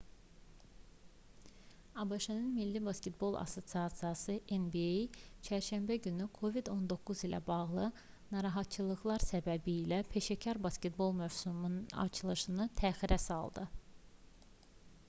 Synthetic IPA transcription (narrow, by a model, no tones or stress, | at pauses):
ɑbɑʃɯnɯnmilːibɑsce̞t̪̚bo̞lˠʔɑ̰so̞t̪siɑsijɑsɯʔenbiejt͡ʃʰæɾʃæmbæɟynykʰo̞vid̪o̞nd̪o̞kʰːuzilʔæ̰bɑɣlˠɯ | nɑɾɑɦɑt̪̚t͡ʃʰɯlˠɯɣlˠɑɾsæbæbiːlæpʰe̞ʃæcʰɑɾbɑsce̞t̪̚bo̞lˠmøvsumɑ̰ɾt͡ʃʰɯlˠɯʃɯnɯt̪ʰæːxiɾæsɑlˠd̪ɯ